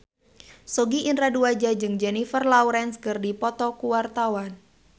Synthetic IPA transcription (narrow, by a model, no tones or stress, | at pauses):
sɔɡiʔinraduad͡ʒad͡ʒɨŋd͡ʒɛnifərlauɾɛnskɨrdipɔt̪ɔkuwart̪awan